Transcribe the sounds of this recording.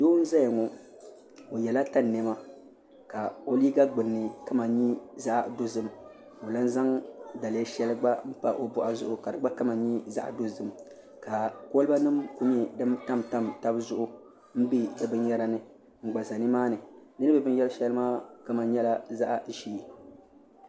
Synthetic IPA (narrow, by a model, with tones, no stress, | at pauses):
doː˦n̩˦za˦ja˨ŋɔ˨ | o˨jɛ˨la˦ta˦nː˨ɛ˨ma˦ | ka˨o˦liː˦ɡa˦ɡ͡bɨ˨nːɨ˨ka˦ma˨ɲi˦za˦ʔa̰˨do˦zɨ˦m˨ | o˨la˦n˦za˦ŋda˨lɛ˦ʃɛ˦lɨ˦ɡ͡ba˦m̩˦pa̰˦ʔo˦bʊ˨ʔa˦zʊ˦ʔʊ˨ka˨dɨ˨ɡ͡ba˦ka˦ma˨ɲi˦za̰˦ʔa̰˨do˦zɨ˦m˨ | ka˨ko˦lba˦nɨ˦mku˦ɲɛ˦dɨ˦mta˦mta˦mta˦bzʊ˦ʔʊ˦ | m̩˦bi˦dɨ˨bɨ˦n˦jɛ˦ɾa˨nɨ˨ | ŋ͡m̩˨ɡ͡ba˨za˨nɨ˦maː˦nɨ˨dɨ˦nɨ˦bɨ˦bɨ˦n˦jɛ˦lʃɛ˦lɨ˦maː˦ka˦ma˨nɲɛ˦la˦za˦ʔa˨ʒi˦˨